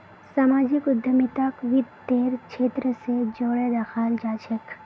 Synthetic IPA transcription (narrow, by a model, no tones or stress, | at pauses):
samaːd͡ʒɪkʊd̪ʱːəmit̪akʋɪd̪t̪eːɾkʃeːt̪ɾəsed͡ʒoːɽed̪axaːld͡ʒaːʃək